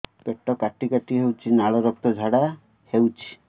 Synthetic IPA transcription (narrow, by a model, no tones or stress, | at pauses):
peʈːɔkaʈikaʈiɦewt͡ʃʰinaɭɔɾɔk̚t̪ɔd͡ʒʱaɽa | hewt͡ʃʰi̥